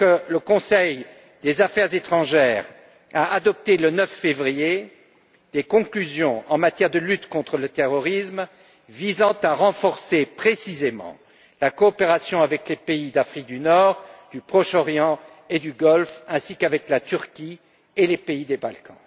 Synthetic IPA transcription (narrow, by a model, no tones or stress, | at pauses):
kələkɔ̃sɛj | d̪ezafɛʁzet̪χɑ̃ʒɛːʁ | aad̪ɔp̚t̪elənœfːevʁije | d̪̥ekɔ̃klyzjɔ̃ɑ̃mat̪jɛʁd̪əlyt̪kɔ̃t̪χələt̪eʁɔʁism | vizɑ̃t̪aʁɑ̃fɔʁsepχesizemɑ̰̃ | lakɔːpeʁasjɔ̃avɛklepeid̪afχik̚d̪ynɔːʁd̪̥ypχɔʃɔʁjɑ̃ | ed̪yɡɔlfɛ̃sikavɛklat̪yʁkʲi | elepeid̪ebalkʰɑ̰̃